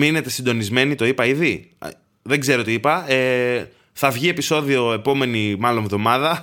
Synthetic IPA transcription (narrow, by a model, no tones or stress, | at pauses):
mine̞t̪e̞sind̪o̞nizme̞nit̪o̞ipɐiði | ðe̞ɡze̞ɾot̪iipɐe | θɐvʝie̞piso̞ðio̞e̞po̞me̞nimɐlo̞ɱvðo̞mɐðɐ